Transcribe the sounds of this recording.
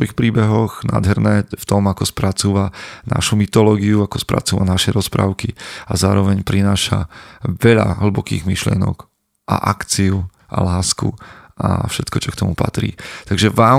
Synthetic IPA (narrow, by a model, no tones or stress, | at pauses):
ɔixpɾiːbɛɦɔɣnʔa̰ːd̪ɦɛɾnɛːft̪ɔmakɔspɾat͡suːʋana̰ʃumit̪ɔlɔːɡiuakɔspɾa̰t͡suːʋanaʃɛɾɔspɾa̰ːʊkiazaːɾɔʋɛɲpɾinaːʃa̰ʋɛʎa̰ɦl̩bɔkḭːɣmiʃlɪɛnɔ̰k | ʔa̰ʔakt͡siu | ʔa̰laːskṵʔa̰fʃɛt̪kɔt͡ʃɔkt̪ɔmupa̰t̪ɾḭːt̪aɡʒɛʋaː